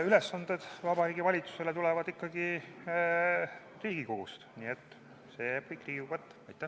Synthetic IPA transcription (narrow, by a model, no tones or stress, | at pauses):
yle̞sːɑnd̪̥e̞d̪̥vɑbɑɾiːɡivɑlʲit̪su̥se̞le̞t̪ulɛvɑd̪ikːɑɡ̥i | riːɡ̥ikoɡust̪niːet̪ːˑ | seːjkɤjkːriːɡukɑt̪ːɑ̥ɑjt̪ːˑæ